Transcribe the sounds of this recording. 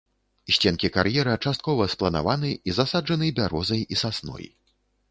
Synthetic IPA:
ɕʲt͡sʲɛnkʲikarjɛɾɐt͡ʂast̪̚kɔvɐsplˠɐna̰vanɨizasad͡ʐɐnɨbʲaɾɔzɐjisasnɔ̰j

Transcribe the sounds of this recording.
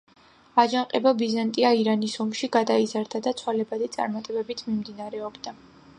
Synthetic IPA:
ad͡ʒaŋqʼɛbabizant̪ʼiaiɾanisɔmʃiɡad̪aizaɾd̪ad̪at̪sʰwalɛbad̪it̪sʼa̰ɾmat̪ʼɛbɛbit̪ʰmimd̪inaɾɛɔbd̪a

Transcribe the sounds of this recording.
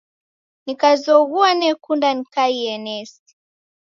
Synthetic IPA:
nikazɔɣuanɛkundanikaiɛnɛs | i̥

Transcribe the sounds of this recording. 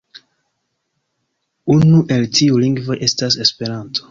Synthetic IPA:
unuʔe̞ltʰiuliŋɡvo̞jʔe̞stase̞spe̞ɾanto̥

